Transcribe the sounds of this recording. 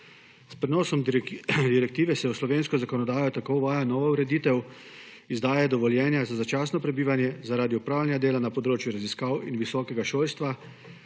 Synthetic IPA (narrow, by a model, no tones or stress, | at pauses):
spɾɛnɔːsɔmd̪iɾɛk̚t̪iːʋɛsɛuslɔʋeːnskɔzakɔnɔd̪aːjɔt̪akowʋaːjanɔːʋauɾɛd̪iːt̪ɛw | izd̪aːjɛd̪ɔʋɔljɛːnjazazat͡ʃaːsnɔpɾɛbiːʋanjɛzaɾaːd̪iupɾaːwlʲjanjad̪eːlanapɔd̪ɾoːt͡ʃjuɾaziskaːwinʋisɔːkɛɡaʃoːlst̪ʋa